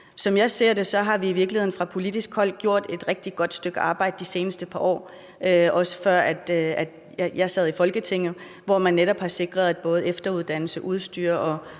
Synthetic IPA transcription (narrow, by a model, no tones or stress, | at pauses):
sɒ̽mjɑ̈ɪse̝ɐ̰d̥e̝sɒ̽ɦɑ̈ʋiːʋiɐɡ̥lihe̝nfʁɑ̈pʰo̝lid̥isɡ̥hɒ̽l̰ɡ̥̚ɡ̥jo̝ɐ̰d̥e̝d̥ʁɛɡ̥̚d̥i̥ɡ̥ɒ̽d̥sd̥øɡ̥əɑ̈ːb̥ɑ̈ɪ̰d̥əd̥ise̝ːnəsd̥əpʰɑ̈ʔɒ̰ː | øʔɒ̽sə̥fɶɐ̰æd̥æ̥ | jjɑ̈ɪsæð̞ˠifɒ̽lɡ̥ət͡sʰe̝ŋ̰ð̞̩ˠ | ʋɒmænːeɾɒ̽b̥hɑ̈se̝ɡ̥ʁɐð̞ˠæd̥̚b̥ɔ̽ːð̞̩ˠefd̥ɐuð̞ˠd̥æn̰l̩səʔuð̞ˠsd̥y̰ːɐʔɒ̽